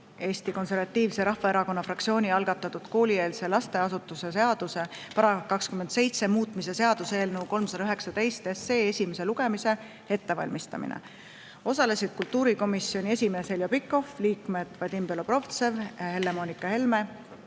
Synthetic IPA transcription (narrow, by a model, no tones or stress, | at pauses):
e̞ːsʲt̪iko̞nse̞rvɑt̪ːiːvse̞ɾɑhːɑe̞ɾɑko̞nːɑfrɑk̚tsio̞ːnʲiɑlɡ̥ɑt̪ːˑɑt̪ːˑud̪̥ko̞ːlʲie̞ːlse̞lɑst̪e̞ɑsut̪ːˑuse̞s̬e̞ɑd̪̥use̞pɑɾɑkɑkskymend̪se̞jt̪se̞muːt̪ˑmise̞se̞ɑd̪̥useːlnuːko̞lmsɑd̪ɑyɦe̞ksɑt̪e̞jst̪esːe̞ːe̞sʲimese̞luɡ̥e̞mise̞ | e̞t̪ːe̞vɑ̰lʲmist̪ɑ̰mḭnḛ | o̞sɑle̞sid̪̥̚kult̪ˑːuːɾiko̞misːjo̞nʲie̞sʲimeːse̞ljopikːˑo̞fliːkmed̪̥vɑd̪ʲimbelo̞b̥ro̞ft̪se̞vhe̞lːe̞mo̞nikːˑɑhe̞lme̞